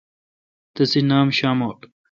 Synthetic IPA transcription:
t̪ɐsinaːmɕaːmoːʈ

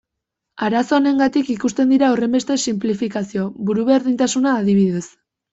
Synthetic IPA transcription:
aɾaso̞ne̞ŋɡat̪ikikust̪e̞nd̪iɾaore̞mbe̞st̪e̞simplifikasio̞βuɾuβe̞ɾðint̪asunaːðiβ̞iðe̞s

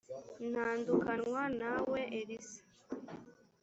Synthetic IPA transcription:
n̥haːndukanwanaweʔeɾisḁ

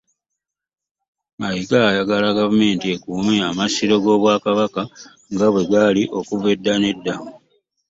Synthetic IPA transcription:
maikaːjaɡalaɡavume̞ːntiekuːmeamasiɾo̞ɡo̞ːβwaːkaβaka | ŋɡaβwe̞ɡaliʔo̞kuve̞dːane̞dːamu

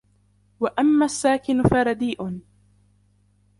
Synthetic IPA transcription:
waʔamːaːsːaːkɪnʊfaɾˤɑd̪iːʔʊn

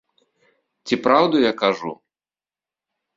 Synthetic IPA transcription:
t͡sʲipɾawd̪ujakaʐṵ

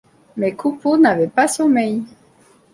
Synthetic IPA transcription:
mɛkʰuponavɛpasɔmɛj

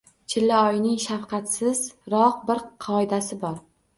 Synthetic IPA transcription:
t͡ʃʰɪlːaɒjnɪŋʃafqɑt̪sɪz̥ɾɒq̚bɪɾqʰɒɪd̪asɪbɒɾ

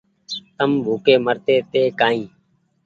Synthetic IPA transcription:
t̪əmbʱuːkeːməɾt̪eːt̪eːkaːĩː

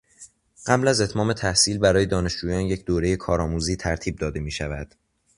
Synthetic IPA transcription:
ɢ̥æblæze̞t̪ʰmɒːme̞t̪ʰæhsiːlbæɾɒːje̞d̪ɒːne̞ʃd͡ʒuːjɒːnje̞cʰd̪oːɾe̞jekʰɒːɾɒːmuːziːt̪ʰæɾt̪ʰiːb̚d̪ɒːd̪e̞miːʃævæd̪̥

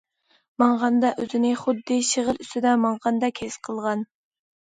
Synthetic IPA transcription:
mɑɴʁɑnd̪ɑʔøzɪnɪχʊd̪ːɪʃəʁəlˠyst̪ɪd̪ɛmɑɴʁɑnd̪ɑkʲʰesqʰəlˠʁɑn

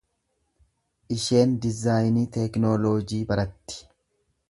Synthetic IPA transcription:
ʔɪʃe̞ːnd̪ɪzaːjniːt̪ɛknoːloːd͡ʒiːbɐɾɐt̪ːɪ̥

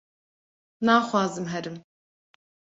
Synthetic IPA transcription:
naːxwɑːzɨmɦɛɾɨm

